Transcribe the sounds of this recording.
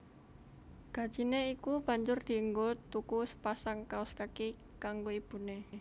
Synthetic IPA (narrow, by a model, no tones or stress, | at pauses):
ɡ̥ä̤d̥d͡ʒ̥i̤neikub̥ä̤ɲd͡ʒʊrd̪̥i̤əŋɡot̪ukusə̥pasaŋkaʊskaki | kaŋɡoib̥ṳne